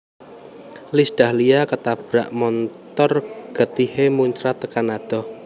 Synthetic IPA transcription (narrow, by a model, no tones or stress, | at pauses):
lisd̥a̤hliakət̪ab̥ɾaʔmɔnt̪ɔrɡ̥ə̤t̪ihemuɲt͡ʃɾat̪əkanad̪̥ɔ̤